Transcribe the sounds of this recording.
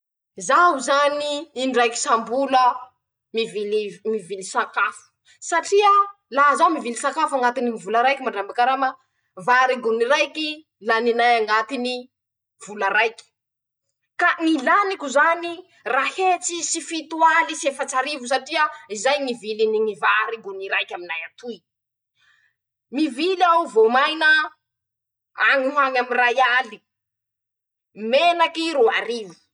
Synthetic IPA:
zawzaniːɳɖ͡ʐajki̥sambulə | mivilimivilisakafu̥ | saʈ͡ʂiə | laɦzawmivilisakafaŋat̪iniivulaɾajkimaɳɖ͡ʐambakaɾamə | vaɾiɡuniɾajki | laninajaŋat̪ini | v̥ulaɾajki̥ | kanilanikuzani | rahet͡sisifit̪ualisiefat͡ʃaɾivus̬aʈ͡ʂiaizajŋiviliniŋivaɾiɡuniɾajkʲaminajat̪uj | mivilawvomajnə | aŋuɦaŋamirajali | menakiɾoaɾivi̥

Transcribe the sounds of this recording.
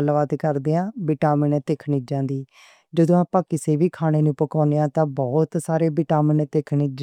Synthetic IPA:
əlʋaːt̪kəɾd̪eːãːbɪʈaːmɪnːt̪eːkʰɳiːd͡ʒãːnd̪iː | d͡ʒəd̪õːaːpãːkɪseːbiːkʰaːɽ̃eːnũːpəkãːneːãːt̪ãːbɔːt̪saːɾeːbɪʈaːmənt̪eːkʰniːd͡ʒ

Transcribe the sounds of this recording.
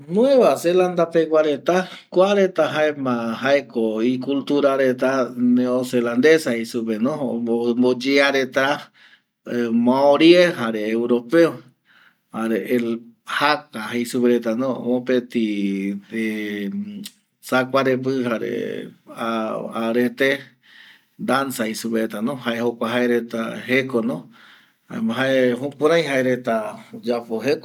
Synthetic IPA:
nũẽβaseland̪apekʷaɾet̪akʷaɾet̪aɦaemãhaekoikult̪uɾaɾet̪̬aneoseland̪esahejsupenõmbod͡ʒeaɾet̪ɾa | mãoɾjeɦaɾeːwɾopeo | haɾe | hakaheisupeɾet̪anõõpet̪i | e | sakʷaɾepɨɦaɾḛaaɾet̪e | d̪ansaisupeɾet̪anõhaehokʷaɦaeɾet̪a̰hekonõ | a̰ɦaeɦũkũɾãj̃ɦaeɾet̪ad͡ʒapoɦeko

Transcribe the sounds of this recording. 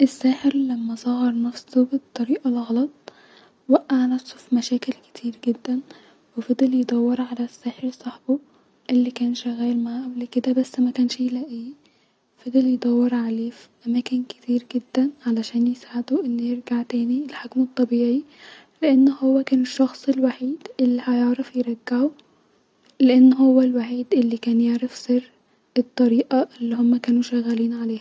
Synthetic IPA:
ʔesːæːħeɾlæmːæsˤɑhɑɾˤnæfsobet̪ˤːɑɾiːʔɑlɣɑlɑt̪ˤ | wæʔːaʕnæfso̥fimæʃæːkelke̥t̪ʰiːɾɡed̪ːæn | wefæd̪ˤeljed̪ˤɑwːeɾʕalæsːæːħeɾsˤɑħbo | ʔelːikæːnʃæɣæːlmaʕaʔæblked̪æbæsːmækæːnʃeːlæːʔiː | fæd̪eljed̪ˤɑwːeɾʕaleːfiʔæmæːkenke̥t̪ʰiːɾɡed̪ːænʕalæʃæːnjesaʕad̪oʔenːjeɾɡaʕt̪æːnielħokmet̪ˤːɑbiːʕi | leʔenːhowːækæːneʃːɑxsˤelwaħiːd̪ʔelːihæjeʕɾɑfjeɾˤɑɡːaʕo | leʔenːɦowːælwaħiːd̪ʔelːikæːnjeʕɾɑfserː | et̪ˤːɑɾiːʔɑʔelːihomːækæːnuʃæɣːæliːnʕaleːhæ

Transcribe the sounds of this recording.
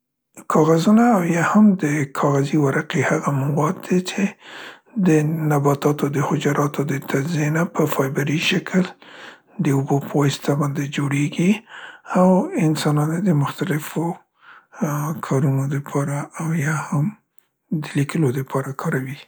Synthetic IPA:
kʰɑɣazunaːwjɑhamd̪əkʰɑɣaziwaɾaqehaɣamawɑd̪ːet͡ʃe | d̪ənabɑt̪ɑt̪od̪əhʊd͡ʒaɾʔɑt̪od̪ət̪ʰad͡ʒzenapəfɑjbaɾiʃakʰəl | d̪əʊbopəwast̪abɑnd̪ed͡ʒoɽeɡiawɪnsɑnɑned̪əmʊxt̪alɪfo | kʰɑɾunod̪əpʰɑɾaʔːwjɑham | d̪əlikəlod̪əpʰɑɾakʰɑɾawi

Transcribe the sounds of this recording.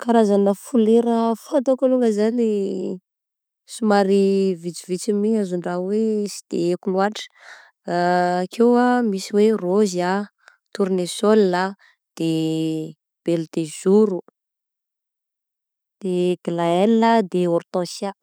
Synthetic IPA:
kaɾazanəfuleɾəfant̪okaluŋɡəzani | sumaɾivit͡sivit͡simiazuɳɖ͡ʐawesi̥d̪̥eekuluaʈ͡ʂə̥ | kʰewamisiweroza | t̪uɾinesolːa | d̪̥e | b̥elt̪ezuɾu | d̪̥eɡ̥laɛlːad̪eort̪ɔ̃sa

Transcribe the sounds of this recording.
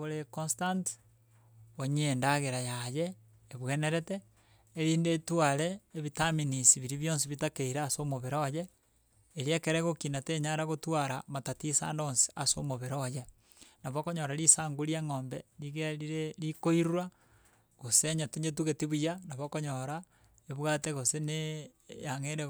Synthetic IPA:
oɾekonstant | oɲendaɣeɾajajeː | βweneɾeteː | ɾiːndetwaɾeːβitaminisiβiɾiβjoːns̬iβitakeiɾeasomoβeɾoje | eɾiekeɾeɣokinateɲaɾaɣotwaɾamatatisa̰ːndonsi̥aso̰moβeɾoje | naβokoɲoɾaɾisaːŋɡuɾjeŋoːmbeɾiɣeɾiɾeɾikoiɾuɾa | ɣoseɲatuɲet̬uɣetiβujanaβokoɲoɾa | eβwateɣosene | jaŋeɾe

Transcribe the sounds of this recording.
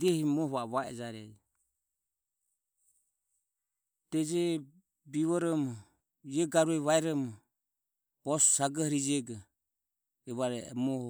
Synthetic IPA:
dɛhimɔhβaβaɛ̰d͡ʒaɾɛ̰d͡ʒ | d̪̥ɛd͡ʒɛ | biβɔɾɔmɔ | jɛɡaɾuɛβaɛɾɔmɔ | b̥ɔssaɡahɾid͡ʒɛɡa | ɛβaɾɛ̰mɔhɔ

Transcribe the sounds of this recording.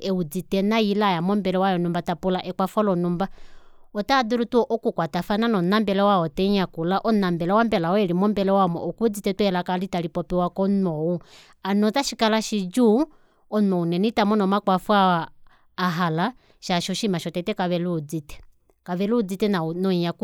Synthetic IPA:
ɛud͡zitɛnailajamɔmbɛlɛwajɔnɔmbatapulaʔɛkwafɔlɔnumbaɔtaːduɾutuɔʔɔkukwatafananɔnambɛlɛwaɔtɛɲakulaʔɔnambɛlɛwambɛlaɔɛlimɔmbɛlɛwamɔ̰ʔɔkud͡zitɛtwɛlakalitalipɔpɛwakɔnɔwu | anɔzaʃikalaʃid͡ʒu | ɔnɔunɛnitamɔnɔmakwafwaː | ɦala | ʃaʃɔʃimaʃɔtɛtɛkaβɛlud͡zitɛ̥ | kaʋɛluːd͡zitɛnanɔɲak

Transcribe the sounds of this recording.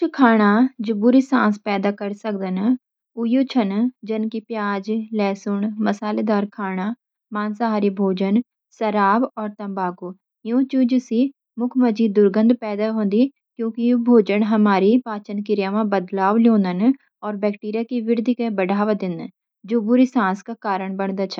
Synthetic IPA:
t͡ʃʰkʰaːɽ̃aːd͡ʒʊbʊɾisã̰ːspɛːd̪aːkəɾsək̚d̪ən | ʊjoːt͡ʃʰənd͡ʒənkipjaːd͡ʒlɛːsʊɳməsaːleːd̪aːɾkʰaːɽ̃aː | maːnsaɦaːɾibʱoːd͡ʒən | səɾaːbɔːɾt̪ɐmbaːɡuː | jõːt͡ʃud͡ʒusi | mʊkʰmɐd͡ʒiːd̪ːʊɾɡə̃nd̪pɛːd̪aɦõːnd̪i | kjõːkijobʱoːd͡ʒəɳɦɐmaːɾipaːt͡ʃənkɪɾjaːʋãbəd̪laːʋljõːnd̪ən | ɔːɾbɛːkʈiːɾijakiʋɪɾd̪ʱikebɐɖʱaːʋad̪ɪn | d͡ʒoːbuːɾisãːskakaːɾəɳ̃bəɳd̪at͡ʃʰə

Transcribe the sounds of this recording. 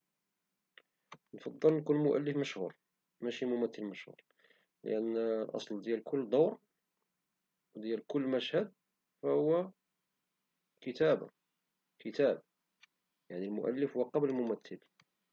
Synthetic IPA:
nfɑd̪ˤːəlnkunmʊʔæ̰lːəfməʃhṵɾ | mæʃimʊmæt̪ːəlməʃhṵɾ | lə̰ʔænlʔɑ̰sˤld̪jælkʰʊlːd̪ˤɑwɾ | wd̪jælkʊlːmæʃhæd̪̚ | fæhʊwːæ | kət̪æba̰ | kʰət̪æb̚ | jaʕnilmʊ̰ʔæ̰lːəfhʊwqɑbləlmʊmæt̪ːəl

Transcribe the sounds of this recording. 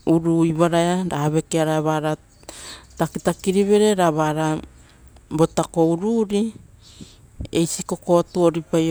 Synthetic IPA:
uɾuiβaɾajaɾaaβe̞keaɾaaβaɾa | takitakiɾiβe̞ɾe̞ɾaβaɾa | bo̞tako̞uɾuɾi | ejsiko̞ko̞tuoɾipaj

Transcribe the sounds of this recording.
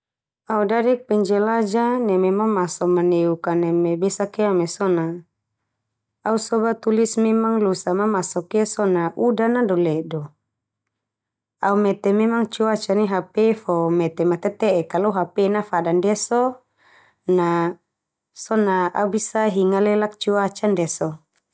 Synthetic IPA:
audaɾɛk̚pɛɲd͡ʒɛlad͡ʒanɛmɛmaŋmasɔmaneukanɛmɛbɛsakeamɛsɔna | ausɔbat̪ulismɛmaŋlusamamasɔkesɔnaʔudanadɔlɛdɔ | aumɛt̪ɛmɛmaŋt͡ʃuat͡ʃaniɦapɛfɔmɛt̪ɛmat̪ɛt̪ɛʔɛkalɔɦapɛnafadandɛsɔ | na | sɔnaa̰ubisaɦiŋalɛlak̚t͡ʃuat͡ʃandɛsɔ

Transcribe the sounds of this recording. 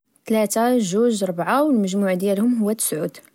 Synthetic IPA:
t̪læt̪aʒuʒɾˤbʕawəlməʒmuʕd̪jælhʊmɦʊwːæt̪ːə̥sʕud̪

